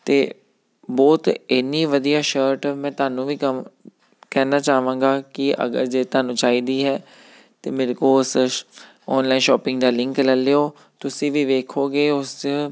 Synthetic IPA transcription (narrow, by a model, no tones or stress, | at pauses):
t̪eː | bɔːt̪ɪnːiːʋəd̪ijaːʃəːɾʈmɛ̃ːt̪aːnũːʋiːkəm | kɛːnaːt͡ʃaːʋãːŋɡaːkɪʔə̰ɡə̰ɾd͡ʒeːt̪aːnũːt͡ʃaːiːd̪iːɦɛː | t̪eːmeːɾekoːʊs | ɔːnlaːinʃɔːpɪ̃ŋɡd̪aːlɪ̃ŋkləlːeːoː | t̪ʊsĩːʋiːʋeːkʰoːɡeːʊs